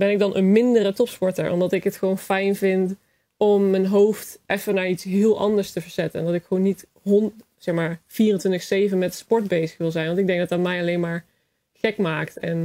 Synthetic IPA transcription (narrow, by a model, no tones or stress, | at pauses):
bɛnɪɡ̚dɑnʔənmɪndərətɔpspɔɹtə̰ɹʔɔ̰mdɑtɪkɦətχʋownfɛjnvɪnt | ɔmːənɦowftʔɛfənaːɹitsɦɪːlˠʔɑ̰ndəɹstəvəɹz̥ɛtənɛndɑtɪkχəʋonːit | ɦɔn | sɛxmaːɹv̥iːrəntʋɪntəxsejvənmɛtspɔɹd̚bejzəχʋɪlˠzɛjnʋɑntɪɡ̚dɛ̃ŋɡ̚dɑtdɑtmɛjɑlejnmaːɹ | χɛkmaːktɛ̰n